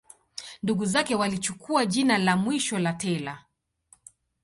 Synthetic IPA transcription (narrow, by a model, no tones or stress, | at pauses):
nduɡuzakɛwalit͡ʃukʰuaʄinalamwiʃɔlatɛla